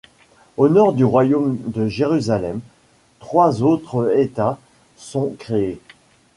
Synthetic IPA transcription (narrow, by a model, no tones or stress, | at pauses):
onɔʁd̪yʁwajomd̪əʒeʁyzalɛm | t̪χwazot̪χet̪a | sɔ̃kχee